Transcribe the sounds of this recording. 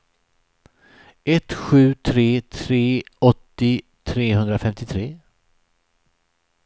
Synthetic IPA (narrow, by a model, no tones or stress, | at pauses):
ʔɛt̪ɧʉ̟ːt̪ʰɾeːt̪ʰɾeːɔt̪ːɪ | t̪ʰɾeːhɵnd̪ɾafɛmt̪ɪt̪ʰɾeː